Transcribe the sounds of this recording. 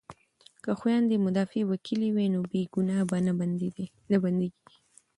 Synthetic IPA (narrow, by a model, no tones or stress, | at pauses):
kaxwjɑnd̪əmʊd̪ɑfewakʰiliwenobeɡunɑba | naband̪eɡiɡi